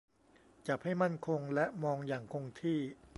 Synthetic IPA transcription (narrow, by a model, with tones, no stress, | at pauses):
t͡ɕa˨˩p̚ha˥˩jma˥˩nkʰo˧ŋlɛ˦˥ʔmɔː˧ŋjaː˨˩ŋkʰo˧ŋt̪ʰiː˥˩